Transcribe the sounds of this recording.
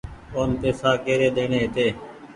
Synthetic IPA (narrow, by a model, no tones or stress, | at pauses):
oːnt̪eːsaːkeːɾeːɗ̪eːɳeːɦɪt̪eː